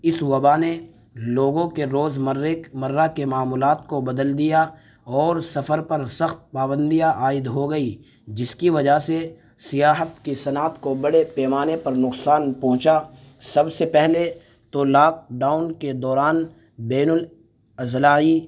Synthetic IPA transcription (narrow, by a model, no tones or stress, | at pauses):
ɪswɐbane | loːɡõkeɾoːzmɐɾemɐɾːakemaːmuːlaːt̪kobɐd̪əld̪ija | ɔːɾsɐfəɾpɐɾsɐxt̪̚paːbə̃nd̪ijaʔaːɪd̪ɦoɡɐi | d͡ʒɪskiʋɐd͡ʒase | sɪjaːɦət̪kisɐnaːt̪kobɐɽepɛːmaːnepɐɾnʊqsaːnpɔ̃ɦʊ̃t͡ʃa | sɐbsepɛɦle | t̪olaːk̚ɖaːʊnked̪ɔːɾaːn | bɛːnʊl | ɐzlaːi